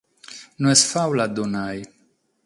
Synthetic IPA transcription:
nuɛsfawlad̪unaj

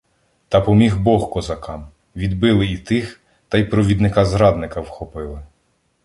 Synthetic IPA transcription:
t̪ɑpɔmʲiɦbɔxkɔzɐkɑm | ʋʲid̪bɪlˠɪit̪ɪx | t̪ɑjpɾɔʋʲid̪nɪkɑzɾɑd̪nɪkɐwxɔpɪlˠɪ

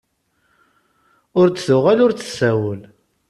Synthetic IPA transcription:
ʊɾt͡sːθʊʁælʊɾt͡sə̥sːæwəl

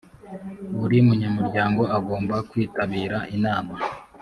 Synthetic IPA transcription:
uɾiumuɲamuɾɟaːŋɡo̞aɡo̞ːmbakwiːtaβiːɾaʔinaːma

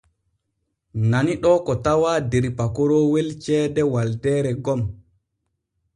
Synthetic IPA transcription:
naniɗɔkɔtawadeɾpakɔɾɔwelt͡ʃɛːdɛwaldɛːɾɛɡɔm

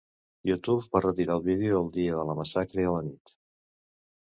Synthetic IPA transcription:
jut̪ufbarət̪iɾalˠβiðeuəlˠd̪iəðələməsakɾəiələnit̪

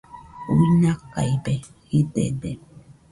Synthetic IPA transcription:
uinaka̰jbehid̪ḛd̪e

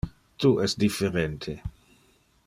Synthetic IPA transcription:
t̪uʔɛsd̪ifeɾent̪ʰe

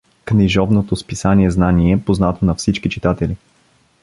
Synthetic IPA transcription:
kniʒɔvnot̪ospisaniɛznaniɛpoznat̪onɐfsit͡ʃkit͡ʃit̪at̪ɛli

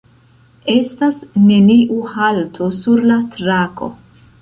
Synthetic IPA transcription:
e̞stasne̞niʔuhaltʰosuɾlatɾako̞̰

